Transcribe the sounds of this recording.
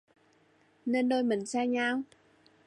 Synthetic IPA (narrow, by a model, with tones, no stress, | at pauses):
ne˧nɗoː˧jmï˨˩ŋ̟saː˧ɲaː˧w